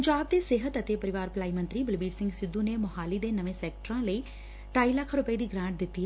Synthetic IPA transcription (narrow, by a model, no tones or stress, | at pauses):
pəɲd͡ʒaːb̚d̪eːseːɦət̪ət̪eːpəɾɪʋaːɾplaːimə̃nt̪ɾiːbɪlbiːɖsɪ̃ŋɡsɪd̪ːũneːmɐɦaːliːd̪eːnəʋẽːsɛːkʈəɾãːləiː | ʈaːiləkʰɾʊpəiːd̪iːɡɾãːʈ̚d̪ɪt̪ːiːɦ